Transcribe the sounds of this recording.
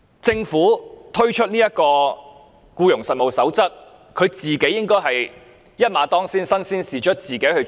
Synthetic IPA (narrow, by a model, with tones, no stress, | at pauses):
t͡sɪ˧ŋfuː˨˥t̪ʰɵ˥ɥt͡ʃʰɵ˥t̚niː˥jɐ˥t̚kɔː˧ | kuː˧jʊ˨˩ŋsɐ˨t̚mo˨wsɐ˨˥wt͡sɐ˥t̚ | kʰɵ˨˧ɥt͡siː˨˩ke˨˥jːɪ˥ŋkɔː˥jɦɐ˨j | jɐ˥t̚maː˨˥t̪ɔː˥ŋsiː˥nsɐ˥nsiː˥nsiː˨t͡ʃʰɵ˥t̚t͡siː˨ke˨˥jhɵ˧ɥ